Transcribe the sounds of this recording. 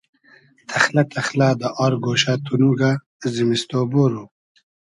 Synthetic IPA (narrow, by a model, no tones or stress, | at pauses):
t̪ʰɐxlat̪ʰɐxlaːd̪əʔɑːɾɡoːɕat̪unuɡa | zimist̪oːboɾu